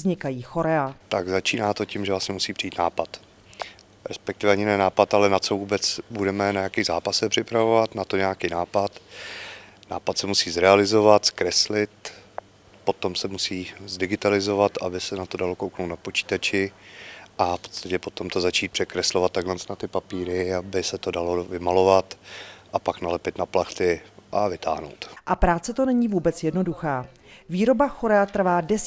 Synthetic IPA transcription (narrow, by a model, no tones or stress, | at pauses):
zɲɪkajiːxoɾɛat̪aɡzat͡ʃiːnaːt̪o̞cɪmʒɛvlast̪ɲɛmusiːpr̥iiːt̪naːpat̪ | ɾɛspɛk̚t̪ɪvɛaɲɪnɛɛnaːpat̪alɛnat͡so̞vuːbɛt͡sbudɛmɛnajakiɣzaːpasɛpr̝̥ɪpɾavovat̪nat̪oɲɛjakiːnaːpat̪ | na̰ːpat̪sɛmusiːzɾɛalɪzo̞vat̪skɾɛslɪt̪ | po̞t̪o̞msɛmusiːzdɪɡɪt̪alɪzo̞vat̪abɪsɛnat̪odalo̞kowknowt̪napot͡ʃi̥ːt̪at͡ʃɪ | ʔafpo̞t̪t͡st̪acɛpo̞t̪o̞mt̪ozat͡ʃiːt̪̚pr̥ɛkɾɛslo̞vat̪ːaɡlɛnt͡snat̪ɪpapiːɾɪabɪsɛt̪odalovɪmalo̞vat̪ʔapaknalɛpɪt̪naplaxt̪ɪʔavɪt̪a̰ːɦno̰wt̪ʔapɾaːt͡sɛt̪o̞nɛɲivuːbɛt͡sjɛdno̞duxaː | viːɾo̞baxoɾɛat̪r̩vaːdɛs